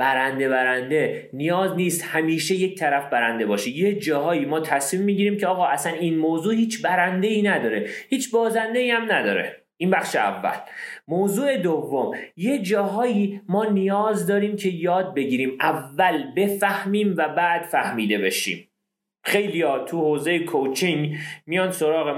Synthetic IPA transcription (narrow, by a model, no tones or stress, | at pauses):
b̥æɾænd̪e̞bæɾænd̪e̞ | nijɒːzniːst̪hæmiːʃejec̚ʰt̪ʰæɾæfbæɾænd̪e̞bɒːʃijed͡ʒɒːɦɒːiːmɒːt̪ʰæsmiːmːiːɟiːɾiːmcʰeɒːɣɒːʔæsæniːnmoːzuːhiːt͡ʃʰbæɾænd̪e̞iːnæd̪ɒːɾe̞hiːt͡ʃʰbɒːzænd̪e̞iːæmnæd̪ɒ̰ːɾe̞̰ | ʔiːnbæxʃeæ̰vːæ̰lmoːzuːe̞d̪ovːomjed͡ʒɒːɦɒːjimɒːnijɒːzd̪ɒːɾiːmcʰe̞jɒːd̪̚be̞ɟiːɾiːmʔævːælbe̞fæhmiːmvæbæʔd̪̥fæhmiːd̪e̞be̞ʃḭːm | xe̞jlijɒːt̪ʰuhoːze̞jekʰot͡ʃʰiŋɡmijɒːnsoɾɒːɣe